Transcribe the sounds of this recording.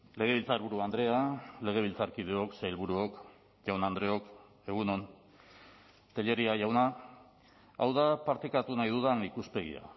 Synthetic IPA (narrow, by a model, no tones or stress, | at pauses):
le̞ɣ̞e̞βilt͡saelβuɾuand̪ɾe̞ale̞ɣ̞e̞β̞ilt͡saɾkið̞eo̞ksajlβuɾuo̞k | ʝawnand̪ɾe̞o̞k | e̞ɣ̞uno̞n | t̪e̞ʎe̞ɾiaʝawna | a̰wðapaɾt̪ekat̪unajðuðaŋikuspe̞ɣḭa̰